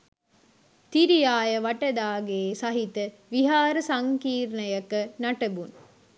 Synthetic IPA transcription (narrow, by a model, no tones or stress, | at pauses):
t̪iɾijaːjəʋɐʈəd̪aːɡeːsɐɦit̪ə | ʋiɦaːɾəsɐŋkiːɾnəjəkənaʈəbun